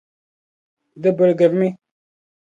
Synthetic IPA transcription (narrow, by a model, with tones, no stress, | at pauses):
d̪ə˦bə˨lɡə˨ɾmi˦